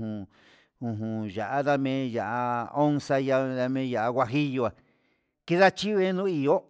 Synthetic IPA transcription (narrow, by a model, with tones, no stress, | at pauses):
ũ˨ | ũ˧˨ɦũ˨ʒa˨ʔa˦ða˦mẽ˦˧ja˨ʔa˧o˦nsa˧ja˧ða˧mẽ˧˦ja˨ʔa˧ɣʷwa˧ɦi˦jo˧a˨ | ki˦ða˦t͡ʃi˦˧e˦nũ˦i˨o˦